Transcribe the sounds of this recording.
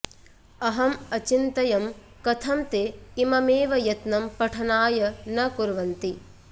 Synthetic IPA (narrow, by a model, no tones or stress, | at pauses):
ɐɦɐmɐt͡ʃint̪ɐjɐm | kɐt̪ʰɐmt̪eimɐmeːʋɐjɐt̪nɐmpɐʈʰɐnaːjɐnɐkuɾʋɐnt̪i